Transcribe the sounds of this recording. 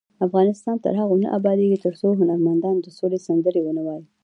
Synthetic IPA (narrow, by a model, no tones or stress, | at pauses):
afɣɑnɪst̪ɑnt̪ə̰ɾɦaɣonə̰ʔabɑd̪eɡit̪əɾsoɦʊnaɾmand̪ɑnd̪əsolesand̪əɾewənawɑji